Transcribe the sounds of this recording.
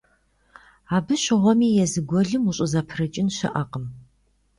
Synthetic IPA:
aːbɨɕɪʁʷɔmiːjɛzɨɡʷɔɮɨmuɕʼɪzɐpʰrɐt͡ʃʼɪnɕɪ̰ʔɐqʼəm

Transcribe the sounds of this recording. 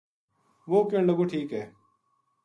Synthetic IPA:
ʋoːkeɳləɡuːʈʰiːkɦɛː

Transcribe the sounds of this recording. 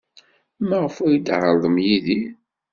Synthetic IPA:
mæʁəfujid̪ʕəlðˤəmjiði

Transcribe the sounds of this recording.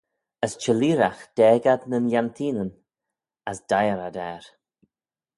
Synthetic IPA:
əst͡ʃəliːɾaxd̪̥ɛːɡad̪nənjant̪ʰiːnən | əsd̥ajəɾad̪ɛːɾ

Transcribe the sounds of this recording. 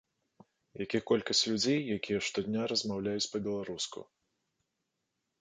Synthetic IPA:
jakʲixkɔlʲkɐsʲt͡sʲlʲud͡zʲejːakʲijɛʂt̪ɔd̪ʲnʲaɾɐzmawlʲajut͡sʲpɐbʲɛlˠaɾuskṵ

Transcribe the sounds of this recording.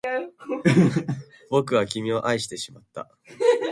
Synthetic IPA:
bo̞kɯ̟βakʲimʲio̞ʔaiɕi̥t̪e̞ɕimat̪ːa̰

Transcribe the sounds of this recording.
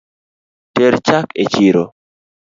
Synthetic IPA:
teɾt͡ʃaket͡ʃiɾo

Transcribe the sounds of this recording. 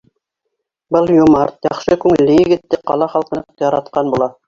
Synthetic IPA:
bɤlˠjumɑɾt̪jɑ̰χʃɤkʉŋɘ̆lːɘjɘ̆ɡɘ̆t̪ːɘqɑ̰lˠɑχɑlˠqɤ̆nqjɑɾɑt̪qɑnbulˠɑ

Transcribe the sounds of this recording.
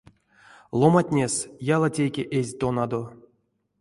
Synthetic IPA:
lˠomatʲnʲesjalˠatʲejkʲeʔezʲt̪onad̪o̞

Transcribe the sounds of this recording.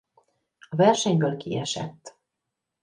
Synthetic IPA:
ɒvɛrʃɛɲbøːlkḭɛʃɛ̰t̪ː

